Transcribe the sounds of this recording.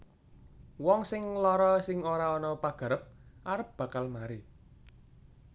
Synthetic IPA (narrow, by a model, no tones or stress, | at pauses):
wɔŋsɪŋlɔɾɔsɪŋoɾaɔnɔpaɡ̥ä̤ɾəp̚ʔaɾəp̚b̥a̤kalmaɾi